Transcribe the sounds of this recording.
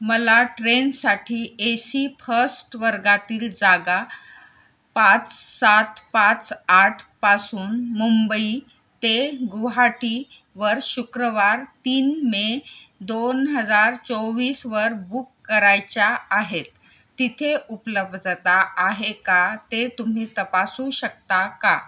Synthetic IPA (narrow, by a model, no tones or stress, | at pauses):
məlaʈɾensaʈʰiːesifʰəɾsʈʋəɾɡat̪iːld͡zaɡa | pat͡ssat̪pat͡saʈʰpasuːnmumbəi | t̪eɡuɦaʈi | ʋəɾɕukɾəʋaɾt̪iːnmed̪onɦəd͡zaɾt͡soʋiːsʋəɾbukːəɾajt͡ɕjaːɦet̪ː | it̪ʰeʔupləbd̪ʱt̪aːɦekat̪et̪um̤iːt̪əpasuɕək̚t̪aka